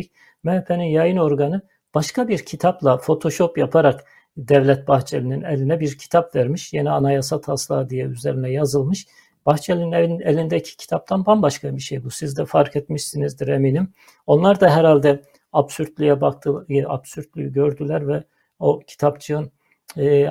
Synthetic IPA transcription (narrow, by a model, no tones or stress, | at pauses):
mɛhpʰeninjajɯno̞ɾɡanɯ | b̥aʃkabiɾcʰit̪ʰaplˠafo̞t̪ʰo̞ʃo̞pjapʰaɾak | d̪ɛvlʲɛt̪̚baxt͡ʃʰelininɛlʲinɛbiɾcʰi̥t̪ʰapvæɾmiʃjenianajasat̪ʰaslˠaːd̪ijɛyzeɾinɛjazɯlˠmɯʃ | b̥axt͡ʃʰelʲininlʲnelʲind̪ɛcʰi̥cʰi̥t̪ʰap̚t̪ʰanbanbaʃkabiʃejbusizd̪ɛfaɾkʰet̪miʃsinizd̪iɾeminim | o̞nlˠaɾd̪aɦɛɾalʲd̪ɛ | absyɾt̪lʲyjɛbakt̪ʰɯa̰bsyɾt̪lʲyjyɟøɾd̪ylʲæɾvɛ | o̞cʰi̥t̪ʰapt͡ʃʰɯɯnː